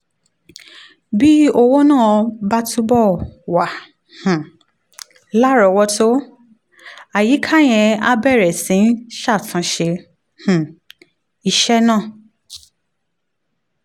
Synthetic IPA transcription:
bi˦o˧wo˦nã˦˨˧ba˦tu˦bɔ˦˨wa˨ | h̩˨ | la˦ɾɔ˧˨wɔ˧to˦ | a˨ji˨˦kʰa˦˨j̃ɛ̃˧a˦bɛ˦˨ɾɛ˨sĩ˨˦ʃa˦˨fũ˧˦ʃe˧ | h̩˨ | i˨ʃɛ˦nãː˦˨

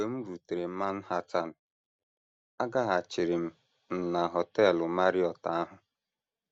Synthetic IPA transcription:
e˨m̩˦ɾu˨te˨ɾe˨m̩˦ma˦n̩˦ha˦ta˦nʊ˨ | a˦ɡa˦ɦa˨t͡ʃɪ˨ɾɪ˨m̩˨ | n̩˨na˨ɦɔ˨tɛ˦˨lʊ˨ma˦ɾi˦ɔ˨ta˨a˦ɦʊ˨

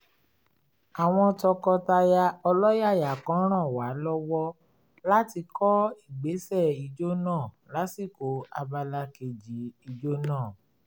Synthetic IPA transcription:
a˨w̃ɔ̃˧tɔ˧kɔ˧ta˧ja˧ɔ˧lɔ˦ja˦˨ja˨kã˨˦ɾ̃ã˦˨wa˨˦lɔ˦wɔ˦ | la˦ti˧kʰɔ˦i˦˨ɡ͡be˨˦sɛ˦˨i˧d͡ʒo˦nãː˦˨ | la˨˦si˦˨ko˨˦a˧ba˧la˧ke˨d͡ʒi˨˦i˧d͡ʒo˦nãː˦˨

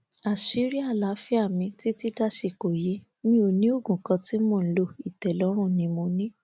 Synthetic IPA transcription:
a˨si˨˦ɾi˦a˦˨la˨˦fi˦a˦˨mĩ˧ti˦ti˦ta˦ʃi˨ko˨ji˨˦ | nĩ˦o˧nĩ˦o˦˨ɡũ˨kã˧ti˨˦mõ˦˨n̩˦lo˧i˨tɛ˨lɔ˨˦ɾ̃ũ˦˨nĩ˧mo˧nĩ˦

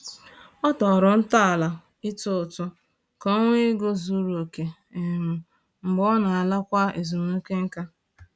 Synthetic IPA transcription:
ɔ˦tɔ˨ɾɔ˨n̩˦ta˦a˨la˨ | ɪ˦tʊ˦ʊ˨tʊ˦ | kɔ˦ŋʷe˦ɡo˦zu˦ɾo˨ke˨ | m̩˨ | m̩˨ɡ͡bɔ˦na˨a˨la˦kʷa˦e˨zu˨mo˦ke˦ŋ̩˦ka˦

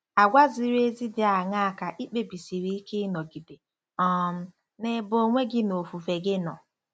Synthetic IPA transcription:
a˨ɡʷa˦zi˦ɾe˦zi˦dɪ˦a˨ŋa˦˨ka˨ʔi˦k͡pe˨bi˨si˨ɾi˦i˦ke˦nɔ˨ɡi˨de˨ | ɔ˨m̩˦ | ne˨bo˨ŋʷe˦ɡɪ˦no˨fu˨fe˨ɡɪ˦nɔ̰˨

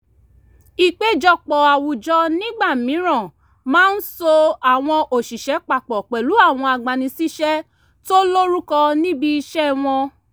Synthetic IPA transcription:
i˨k͡pe˨˦d͡ʒɔ˧k͡pɔ˨a˨wu˨d͡ʒɔ˧nĩ˦ɡ͡ba˦˨mĩ˨˦ɾ̃ɔ̃˦˨ | mãː˦n̩˦so˧a˨w̃ɔ̃˧ʔo˨ʃi˨ʃɛ˨˦k͡pa˨k͡pɔ˨k͡pɛ˨lu˨˦a˦˨w̃ɔ̃˧a˨ɡ͡ba˨nĩ˧si˦ʃɛ˦ | to˦lo˦ɾu˦kɔ˧nĩ˦bi˧i˧ʃɛ˦w̃ɔ̃˧

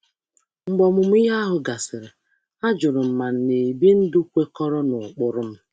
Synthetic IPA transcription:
ŋ͡m̩˨ɡ͡bɔ˨mʊ˨m̩˦ɪ˦ɦa˦a˦ɦʊ˨ɡa˨sɪ˨ɾɪ˨ | a˦d͡ʒʊ˨ɾʊ˨m̩˨ma˨n̩˦˨ne˨bi˦n̩˦dʊ˦kʷe˦kɔ˦ɾɔ˦nʊ˨ʊ˨k͡pʊ˨ɾʊ˦m̩˦

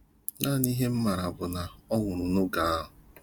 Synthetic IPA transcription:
naː˦˨ni˦ɦe˦m̩˦ma˨ɾa˨bʊ˨na˨ɔ˦ŋʊ˨ɾʊ˨nʊ˦ɡa˨a˦ɦʊ˨

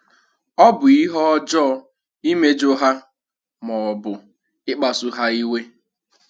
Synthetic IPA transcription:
ɔ˦bʊ˨i˦ɦɔ˦ɔ˦d͡ʒɔ˦ | i˦me˦d͡ʒo˦ɦa˦ | mɔ˨ɔ˨bʊ˨ | ɪ˦k͡pa˨sʊ˦ɦa˦i˦we˦

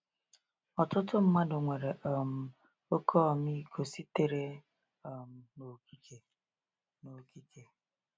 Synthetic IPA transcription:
ɔ˨tʊ˦tʊ˦m̩˦ma˦dʊ˨ŋʷe˨ɾe˨ʔɔ˨m̩˦ | o˦kʰɔ˦˨mi˦kʰo˨si˦te˦˨ɾe˦ | ɔ˨m̩˦˨no˨ki˦ke˨ | no˨ki˦ke˨

